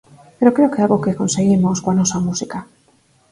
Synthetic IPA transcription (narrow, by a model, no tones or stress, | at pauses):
peɾokɾeokealɣokekonseɣimoskoanɔsamusika